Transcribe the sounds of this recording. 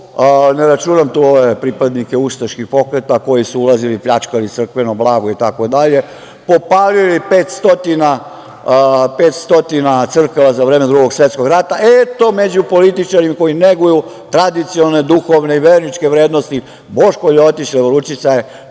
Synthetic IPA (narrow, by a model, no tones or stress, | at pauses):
neɾat͡ʃuːnamt̪uoʋe̞pɾipad̪nikeust̪aʃkixpo̞kɾet̪ako̞jisuulˠazilipʎat͡ʃkalit̪sr̩kʋe̞noblaːɡoit̪ako̞d̪aʎe̞ | po̞palilipe̞ːt̪st̪o̞t̪ina | pet̪st̪o̞t̪inat̪sr̩kaʋazaʋɾeːme̞d̪ɾuɡo̞ɡsʋe̞t̪sko̞ɡɾat̪aʔet̪o̞me̞d͡ʑupo̞lit̪it͡ʃaɾimako̞jineɡuju | t̪ɾad̪it̪sio̞ne̞d̪uxo̞ʋneiʋeːɾnit͡ʃke̞ʋɾe̞ːd̪nost̪i | bo̞ʃkoʎot̪it͡ɕleʋoɾut͡ʃit̪saje